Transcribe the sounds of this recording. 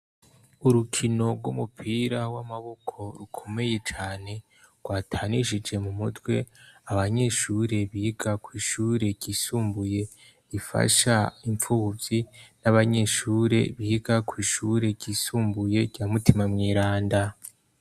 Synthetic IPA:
uɾukʰino̞ɾɡwumupʰiːɾawamaβokʰo̞ɾukʰo̞me̞je̞t͡ʃaːne̞ | ɡ̥waːtʰaːniʃid͡ʒe̞mumutwe̞aβaɲe̞ʃuːɾe̞βiɡakwiːʃuːɾe̞ɟiːsuːmbuje̞ | ifa̰ʃaiɱfuvinaβaɲe̞ʃuːɾe̞̰βiɡakwiːʃuɾe̞ɟiːsuːmbuje̞ɟaːmutimamŋiːɾaːnda

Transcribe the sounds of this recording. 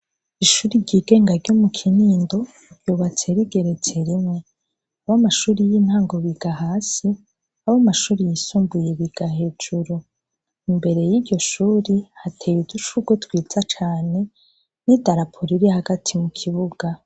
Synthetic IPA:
iʃuːɾiɾɟiɡe̞ːŋɡaɾɟomukʰiniːndo̞ | ɾjuːβat͡se̞ɾiɡe̞ɾe̞t͡se̞ɾimŋe̞ | aβamaʃuːɾijinhaːŋɡo̞βiɡ̥aɦaːsi | aβomaʃuːɾijisuːmbuje̞βiɡ̥ahe̞ːd͡ʒuɾu | imbe̞ɾe̞jidɟo̞ʃuːɾihatʰejidut͡ʃuɡotwiːz̥at͡ʃaːne̞ | nidaɾapʰoɾiɾihaɡatʰimukʰiβuɡ̥a

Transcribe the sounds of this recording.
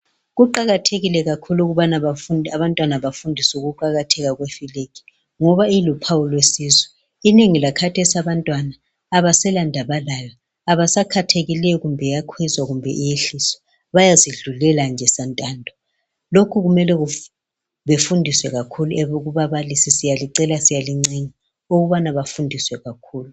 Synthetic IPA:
ɣuǃaɣatʰeɣilɛɣakʰuluɣuβanaβafunʱaβantʼwanaβafundʱisɛuɣuǃaɣatʰɛɣaɣwefilekʰi̥ | ŋɔβailupʰawulwesiːzɛ | ineŋilakʰatʰesaβantʼwanaː | βasɛlandʱaβalalaː | βasakʰatʰeɣilɛjɔɣumbʱɛjakʰwizwaɣumbʱɛʔijeɬisɔ̥ | βajaziɮulɛland͡ʒʱɛsantʼaːndʱɔ | lokʰuɣumɛlɛɣu | βefundʱiswɛɣakʰuluɛβuɣuβaβalisisijaliǀɛlasijaliŋ͡ǀeɲi | oɣuβanaβafundʱiswɛɣakʰuːlu

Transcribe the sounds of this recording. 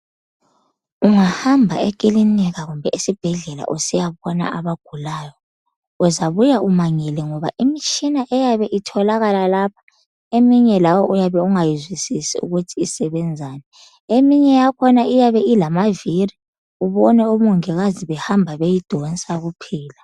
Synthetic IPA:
uŋahambʱaɛk̬ʼiliniɣaɣumbʱɛʔisib̥ʱɛɮɛla̰ʔusijaβɔna̰ʔaβaɡ̥ʱulaːjɔ | uzaβujaʔumaŋɛlɛŋɔβa̰ʔimit͡ʃʰʼinaʔɛjaβɛʔitʰɔlaɣalalap̚ʰḁ | emiɲɛlawɔʔujaβɛuŋajizwisisḭṵɣutʰiːsɛβɛnd͡zʱaːnɛ | emiɲɛjakʰɔnaijaβɛilamaviri | uβɔnɛomuŋɛɣaziβɛhambʱaβejid̥ʱɔnt͡sʼaɣupʰiːla

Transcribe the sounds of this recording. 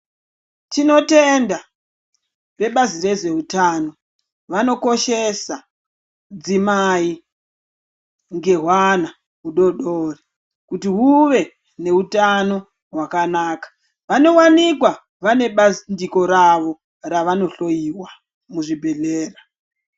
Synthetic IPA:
tino̞tenda | pe̞ɓazire̞ze̞utaːno̞ | ʋano̞ko̞ʃe̞sa | d͡zimai | ŋɡe̞ɦwana | ɦuɗo̞ɗori | kutiɦuʋe̞ | ne̞utano̞ | ɦwakanaːkḁ | ʋano̞wanikwa | ʋane̞ɓandiko̞ɾaʋo̞ | raʋano̞ɬo̞jiwa | muʐibʱe̞ɮeːra

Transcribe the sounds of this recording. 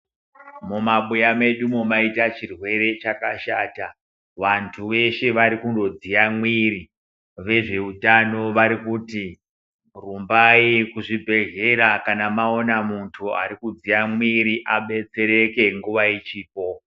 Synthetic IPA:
mumaɓujame̞ɗumomaitat͡ʃirwe̞ɾe̞t͡ʃakaʃaːta | ʋantʰuʋe̞ʃeʋaɾikundo̞d͡ziamwiɾi | ʋe̞ʐe̞utano̞ʋaɾikuti | rumbaikuʐibʱe̞ʒe̞ɾakanamao̞namuntʰua̰ɾikud͡zijamwiɾiʔaɓe̞t͡se̞ɾe̞ke̞ŋɡuʋait͡ʃiːpo̞

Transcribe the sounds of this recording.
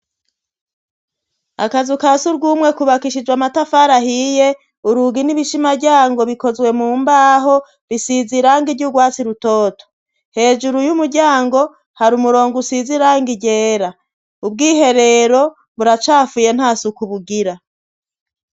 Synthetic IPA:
a̰kazukasuɾɡuːmwe̞kuβakiʃid͡ʒwamatafaːɾaɦije | uɾuɡiniβiʃimaɟaːŋɡo̞βiko̞zwe̞muːmbaːɦo̞ | βisiziɾaːŋɡivɟuɾɡwaːt͡siɾuto̞ːto̥ | he̞ːʒuɾujumuɾɟaːŋɡo̞ | haɾumuɾo̞ːŋɡusiziɾaːŋɡiɟe̞ːɾa | ubɡiːhe̞ɾe̞ːɾo̞ | βuɾat͡ʃaːfuje̞n̥haːsukuβuɡiɾa

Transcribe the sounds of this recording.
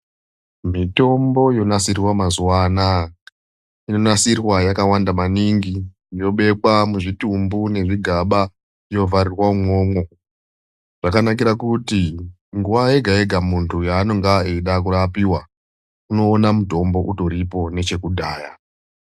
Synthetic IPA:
mito̞mbo̞jo̞nasirwamazuwana | ino̞nasirwajakawandamaniŋɡi | jo̞ɓe̞kwamuʐitumbune̞ʐiɡʱaɓa | ijo̞vaɾirwamwo̞ːmwo̞ | ʐ̥akanak̬iɾakuti | ŋɡuwae̞ɡʱae̞ɡʱamuntʰujaːno̞ŋɡaeɗak̬uɾapiwa | uno̞ːnamuto̞mbo̞ʔuto̞ɾipo̞ne̞t͡ʃe̞kudʱaːja

